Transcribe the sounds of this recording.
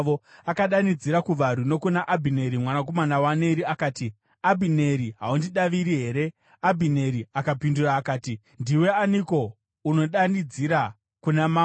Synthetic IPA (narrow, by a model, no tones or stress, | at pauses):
oakaɗanid͡ziɾakuʋaɾuno̞kunaʔabʱine̞ɾimwanak̬o̞manawane̞ɾiakaːti | abʱine̞ɾiɦaundiɗaʋiɾiɦe̞ːɾe̞ | abʱine̞ɾiakapinduraːkaːti | ndiwe̞aniko̞ | uno̞ɗanid͡ziɾa | kunama